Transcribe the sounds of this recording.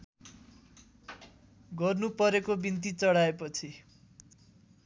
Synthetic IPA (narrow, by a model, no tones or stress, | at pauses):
ɡʌrnupʌɾekobint̪̬it͡sʌɽaepʌt͡sʰi